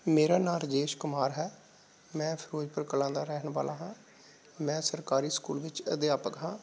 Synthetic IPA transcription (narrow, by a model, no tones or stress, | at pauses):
meːɾaːnaːld͡ʒeːʃkʊmaːɾɦɛː | mɛ̃ːpʰɪɾoːd͡ʒpəɾkəlãːd̪aːɾɛɦnʋaːlaːɦãː | mɛ̃ːsəɾkaːɾiːskuːlʋɪt͡ʃəd̪ɪjaːpəkɦãː